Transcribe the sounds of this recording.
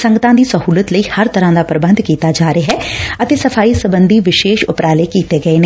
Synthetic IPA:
sə̃ŋɡət̪ãːd̪iːsəhuːlət̪ləiːhəɾt̪əɾãːd̪aːpɾəbə̃nd̪kiːt̪aːd͡ʒaːɾeɦɛːət̪eːsəfʰaːiːsəbənd̪ʱiːʋɪʃeːʃʊpɾaːleːkiːt̪eːɡəeːne

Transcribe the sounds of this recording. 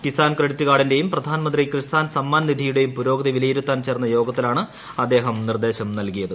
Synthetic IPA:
kisaːnkɾɐɽit̪ʲːuɣaːɽinde̞jumprɐd̪ʱaːnɐmɐnd̪rikrɨsaːnsɐmːaːnɐnid̪ʱijuɽe̞jumpuɾo̞ːɡɐðiʋilɐjiɾut̪ːaːnt͡ɕe̞ːrɐnːɐjo̞ːɡɐt̪ːilaːɳɨ | ɐd̪ːe̞ːɦɐmnird̪e̞ːɕɐmnɐlkijɐðɨ

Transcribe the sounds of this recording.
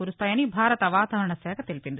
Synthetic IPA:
uːɾust̪aːjɐnibʱaːɾɐt̪ɐʋaːt̪aːʋɐɾɐɳɐsɛːkʰɐt̪e̞lipind̪i

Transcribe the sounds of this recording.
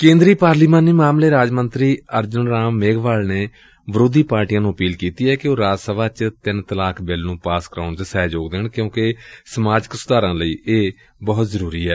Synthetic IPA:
kẽːnd̪ɾiːpaːɾliːmaːniːmaːmleːɾaːd͡ʒmənt̪ɾiːəɾd͡ʒʊnɾaːmːeːɡʋaːlneː | bəɾoːd̪iːpaːɾʈijãːnũːəpiːlkiːt̪iːɛːkɪoːɾaːd͡ʒsəʋaːt͡ʃt̪ɪnt̪əlaːkʰbɪlnũːpaːskəɾaːɳd͡ʒ̪sɛːd͡ʒoːɡd̪eːɳkjõːkesəmaːd͡ʒəksʊd̪aːɾãːləiːʔeː | bɔːt̪zəɾuːɾiːɛː

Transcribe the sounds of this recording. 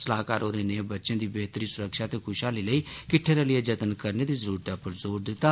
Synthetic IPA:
səlaːkaːɾoːɾeːneːbətːʃẽːd̪iːbeːt̪ɾiːsʊɾəkʃaːt̪eːkʰʊʃaːliːləiːkɪʈʰːeːɾelɪeːd͡ʒət̪ənkəɾneːd̪iːzəɾuːɾt̪aːpəɾzoːɾd̪ɪt̪ːaː

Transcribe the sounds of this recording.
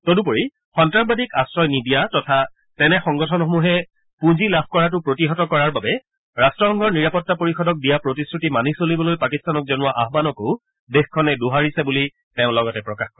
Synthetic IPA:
tɔdupoɹi | xɔntɹabadikasɹɔjnidijatɔtʰa | tɛnɛxɔŋɡɔtʰɔnxomuɦɛ | pũzilab̚ʰkɔɹat̬ʊpɹotiɦɔtɔkɔɹaɹbabɛ | ɹastɹɔxɔŋɡʱɔɹniɹapɔtːapoɹixɔdɔk̚dijapɹotisɹutimanisolibɔlojpakistanɔk̚zɔnʊwaʔaɦbanɔkoʊ | dexkʰɔnɛduɦaɹisɛbuli | tɛʊ̃lɔɡɔtɛpɹɔkaxkɔɹɛ

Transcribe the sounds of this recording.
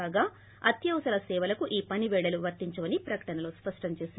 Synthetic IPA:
aːɡaː | ɐt̪jɐwsɐlɐsɛːʋɐlɐkuʔiːpɐniʋɛːɽɐluʋɐɾt̪iɲt͡ʃɐʋɐnipɾɐkɐ̥ʈɐnɐlo̞ːspɐʂʈɐmt͡ʃeːsin

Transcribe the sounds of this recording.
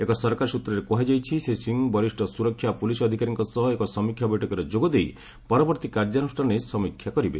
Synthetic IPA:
ekɔsɔɾkaɾsut̪ɾɔɾekoɦad͡ʒajt͡ʃʰisesiŋbɔɾisʈʰɔsuɾɔkʰːjapulisɔd̪ʱikaɾiŋkɔsɔɦɔekɔsɔmikʰːjabɔjʈʰɔkɔɾɔd͡ʒoɡɔd̪ej | pɔɾɔbɔɾt̪ikaɾd͡ʒanusʈʰanesɔmikʰːjakɔɾibḛ

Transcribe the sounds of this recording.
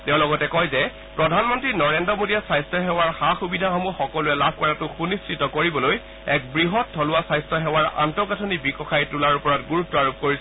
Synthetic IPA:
tɛʊ̃lɔɡɔtɛkɔjzɛ | pɹɔdʱanmɔntɹinɔɹendɔmodiasajstʰɔɦɛwaɹxaxubidʱaxɔmuxɔkɔlʊɛlab̚ʱkɔɹatʊxunisɹitɔkoɹibɔloj | ɛk̚bɹiɦɔt̚dʰʱɔlʊwasajstɔɦɛwaɹʔa̰ntɔkatʰɔnibikɔxajtulaɹupɔɹatɡuɹutːɔaɹup̚koɹisɛ

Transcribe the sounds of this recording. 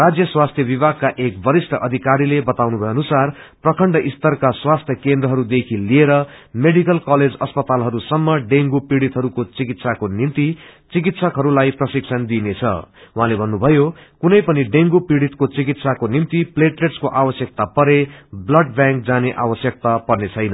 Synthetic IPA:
rad͡zjʌswast̪ʰjʌbibʱaɡ̚kaʔekbʌɾisʈʰʌʔʌd̪ʱikaɾilebʌt̪awnubʱʌjʌnusarprʌkʰʌɳɖʌʔist̪ʌrkaswast̪ʰjʌkend̪rʌɦʌɾud̪ekʰilieɾʌmeɽikʌlkʌled͡zʌspʌt̪alɦʌɾusʌmːʌɖeŋɡupiɽit̪ɦʌɾukot͡sikit̪sakonint̪it͡sik̬it̪sʌkɦʌɾulajprʌsik̚sʰʌnd̪inet͡sʰʌ̰wɦãlebʱʌnːubʱʌjokunʌjpʌniɖeŋɡupiɽit̪kot͡sik̬it̪sakonimt̪ipleʈleʈskoʔawʌsjʌk̚t̪apʌɾeblʌɖbjãŋk̚d͡zaneʔa̰wʌsjʌk̚t̪apʌrnet͡sʰʌjnʌ

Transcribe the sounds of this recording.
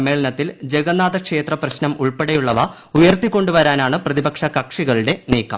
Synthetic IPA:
mːe̞ːɭɐnɐt̪ːild͡ʑeɡɐnaːðɐkʂe̞ːt̪rɐprɐɕnɐmuɭpeɽejuɭːɐʋɐ | ujɐrt̪ikʲːo̞ɳɖuʋɐɾaːnaːɳɨprɐðibɐkʂɐkɐkʂiɣɐɭuɽe̞niːkːɐm

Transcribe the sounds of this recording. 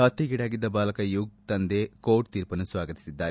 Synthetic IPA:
ɐt̪ːiɡiɽaːɡid̪ːɐbaːlɐkɐjuɡ̚t̪ɐnd̪eːkoːʈ̚t̪iːɾpɐnːusʋaːɡɐt̪i̥sid̪ːaːɾe

